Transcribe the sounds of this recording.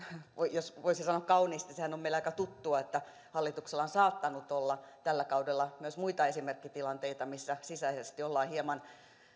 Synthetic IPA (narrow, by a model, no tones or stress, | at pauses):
ʋoijosʋoisesɑnoɑkkɑuniːst̪nisehænomeilɑikɑt̪ut̪ːuɑet̪ːæ | hɑlːit̪ukselːˑɑnsɑːt̪ːɑnut̪olːɑt̪ælːækɑudelːɑmyøsmuit̪ɑesimerkːit̪ilɑnt̪eit̪ɑmisːæsisæisest̪iolːɑːhiemɑn